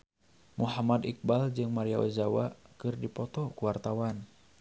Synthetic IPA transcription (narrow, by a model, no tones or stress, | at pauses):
muɦamadik̚bald͡ʒɨŋmaɾiawa̰zawakɨrdipɔt̪ɔkuwart̪awan